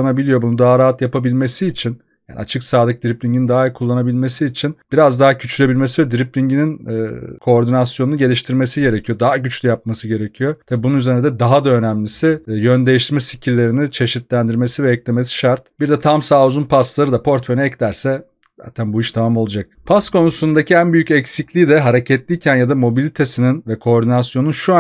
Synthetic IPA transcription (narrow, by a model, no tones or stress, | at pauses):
nabilʲijo̞bunud̪aɦaɾaːɦat̪japabilʲme̞siːt͡ʃʰin | jja̰ːnḭat͡ʃʰɯksaːd̪ɯk̚d̪iɾiplʲiɲɟinind̪aːiɾkʰulˠːanabilʲme̞siːt͡ʃʰinb̥iɾazd̪aɦacʰyt͡ʃʰylʲe̞bilʲme̞sivɛd̪iɾiplʲiɲɟininkʰo̞ːɾd̪inasjo̞nunuɟelʲiʃt̪ʰiɾme̞siɟe̞ɾecʰijo̞d̪aɦaɟyt͡ʃlʲyjap̚masɯɟe̞ɾecʰijo̞t̪ʰɛbununyzeɾnʲd̪ɛd̪aɦad̪aø̞næmlʲisɪjønd̪ejiʃt̪ʰiɾmɛsi̥cʰiɾlʲe̞ɾinit͡ʃʰe̞ʃit̪lʲænd̪iɾme̞sivɛːclʲe̞me̞si̥ʃaɾt̪̚biɾd̪ɛt̪ʰamsaːuzunpʰaslˠaɾɯd̪apʰo̞ɾt̪fejnɛɛclʲæɾsɛ | z̥a̰ːt̪ʰænbuiʃt̪ʰamamo̞lˠud͡ʒak̚pʰast̪kʰo̞nusund̪acʰiænbyjycɛcsiclʲiːd̪ɛɦaɾe̞cʰɛt̪lʲiːcʰænjad̪amo̞bilʲit̪ʰe̞sininvɛkʰo̞ːɾd̪inasjonunʃua